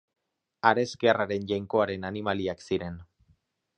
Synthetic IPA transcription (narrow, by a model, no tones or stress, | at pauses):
aɾe̞skearaɾe̞nʎajŋko̞aɾe̞nanimaliaksiɾe̞n